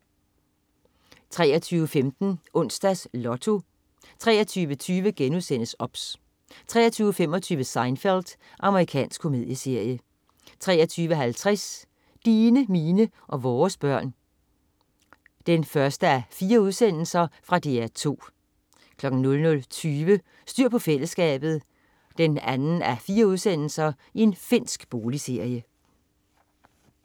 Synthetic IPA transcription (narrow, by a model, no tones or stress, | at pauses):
t͡sʰʁɛ̰ːɐt͡sʰyːʊəfemd̥n̩ʔɔ̽n̰sd̥æslɒ̽t͡sʰo̝ | t͡sʰʁɛ̰ːɐt͡sʰyːʋət͡sʰyːʋəɡ̥enuðˠsen̰əsɒ̽b̥s | t͡sʰʁɛ̰ːɐt͡sʰyːʊəfem̰ɒ̽t͡sʰyːʋəsɑ̈ɪnfeld̥ | ʔɑ̈məʁikʰɛ̰ːnsɡ̥kʰo̝me̝ðˠjəse̝ɐ̰jə | t͡sʰʁɛ̰ːɐt͡sʰyːʋəɦælt͡sʰʁɛs | d̥iːnəmiːnə | ʔɒ̽ʋɒːsb̥ɶɐ̰n | d̥enfɶɐsd̥əæɐfiːɐuðˠsen̰l̩sɐfʁɑ̈d̥e̝æɐt͡sʰo̝̰ː | kʰlɒ̽ɡ̥n̩nɔ̽lnɔ̽lt͡sʰyːʋə | sd̥yɐ̰pʰɒ̽fel̰əsɡ̥ɛ̰ːb̥ð̞̩ˠ | d̥enænn̩æfiːɐuð̞ˠsen̰l̩sɐ | ie̝nfe̝n̰sɡ̥b̥o̝ːlise̝ɐ̰jə